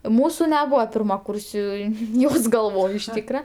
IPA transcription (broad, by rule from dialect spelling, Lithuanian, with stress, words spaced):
ˈmuːsʊ nʲɛˈbuːʋɐ pʲɪrmɐˈkuːrʲsʲʊɪ ˈjoːs ɡɐlˠˈʋoːj ɪʃ ˈtʲiːkrɐ